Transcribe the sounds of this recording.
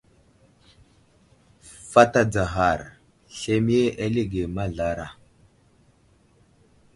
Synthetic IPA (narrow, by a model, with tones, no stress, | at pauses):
fa˦ta˦d͡za˨ɦa˨ɾ | ɬe˦mi˦e˦ʔa˦lie˦ɡe˨ma˦ɮa˨ɾa˨